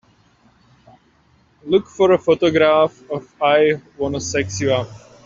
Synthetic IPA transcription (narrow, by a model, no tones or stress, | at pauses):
lʊkfɔɹəfotɔɡɾafɔvaɪwɔnɔsɛksua